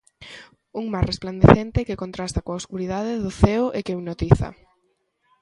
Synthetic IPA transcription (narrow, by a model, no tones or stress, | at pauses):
uŋmasrespland̪eθent̪ɪkekont̪ɾast̪akoaoskuɾiðaðɪðʊθeʊʔekeuwnot̪iθɐ̰